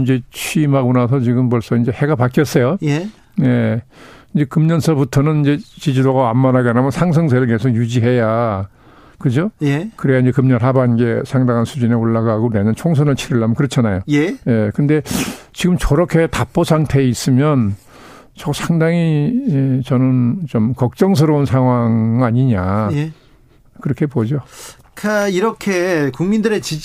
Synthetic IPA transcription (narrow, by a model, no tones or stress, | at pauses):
ind͡ʑe̞t͡ɕʰimɦaɡonas̬ʰʌt͡ɕiɡɯmpʌɭs͈ʌind͡ʑe̞he̞ɡapak͈jʌs͈ʌjo | ne̞ | ind͡ʑe̞kɯmɲʌnsʰʌbutʰʌnɯnind͡ʑe̞t͡ɕid͡ʑidoɡaamːanaɡenamʌnsʰaŋs̬ʰʌŋs̬ʰeɾɯɭkesʰokjud͡ʑiɦe̞ja | kɯd͡ʑojkɯɾejaind͡ʑe̞kɯmɲʌnɦabainɡe̞sʰaŋdaŋansʰud͡ʑineoɭːaɡaaɡoneɲʌnt͡ɕʰoŋs̬ʰʌnɯɭt͡ɕʰiɾiɭːamʌnkɯɾʌt͡ɕʰanajojjekɯnde̞t͡ɕiɡɯmt͡ɕʌɾʌkʰe̞tap͈osʰaŋtʰe̞is͈ɯmjʌn | t͡ɕʌsʰaŋdaŋiet͡ɕʌnɯnt͡ɕomkʌk̚t͡ɕ͈ʌŋs̬ʰɯɾounsʰaŋɦwaŋiaɲiɲae | kɯɾʌkʰe̞pod͡ʑo | kʰaiɾʌkʰekuŋmindɯɾet͡ɕi